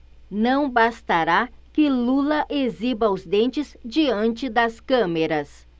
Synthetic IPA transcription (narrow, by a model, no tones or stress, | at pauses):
nɐ̃w̃bast̪aɾakɪlulɐʔezibɐʊzd̪ẽnt͡ʃɪzd͡ʒiɐ̃nt͡ʃɪd̪ɐskɐ̃meɾɐs